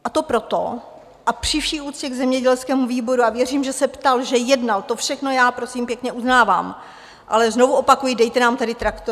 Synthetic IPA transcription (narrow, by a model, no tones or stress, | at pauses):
ʔat̪o̞pɾo̞t̪o̞̰ | ʔapr̝̥ɪfʃiːʔuːt͡sscɛɡzɛmɲɛɟɛlskɛːmuviːbo̞ɾuavjɛriːmʒɛsɛpt̪alʒɛjɛdnalt̪o̞fʃɛxno̞jaːpɾo̞simpjɛkɲɛʔuznaːva̰ːm | ʔa̰lɛzno̞vuʔo̞pakujɪdɛjt̪ɛnaːmt̪adɪt̪ɾakt̪